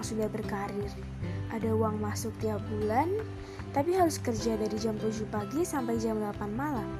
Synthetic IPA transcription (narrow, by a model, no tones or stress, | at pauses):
ŋsundahbərkaɾɪr | ʔadauwaŋmasʊk̚t̪iap̚bulan | t̪apiɦaɾʊskərd͡ʒadaɾid͡ʒampəd͡ʒupaɡisampajd͡ʒamlapanmalam